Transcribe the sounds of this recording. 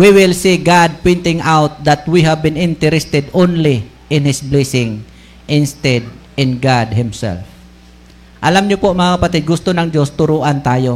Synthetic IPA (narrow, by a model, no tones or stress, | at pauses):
wiwɪlsiɡad̪̚pojnt̪ɪŋʔawt̪̚d̪at̪wiɦavbɪ̃nɪnt̪ɛɾɛst̪ɛd̪onli | ʔɪ̃nhɪsblɛsɪŋ | ʔɪnst̪ɛd̪̚ | ɪnɡad̪̚hɪmsɛ̰lf | ʔɐlamɲʊpoʔɐŋmɐŋakapat̪ɪɡʊst̪onɐŋd͡ʒost̪ʊɾuːʔant̪aːjo